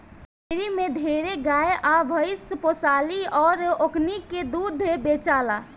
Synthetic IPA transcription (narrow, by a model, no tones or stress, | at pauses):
peɾimed̪ʱeɾeɡaeʔabʱəɪsposaliɔːɾokniked̪ud̪ʱebet͡ʃala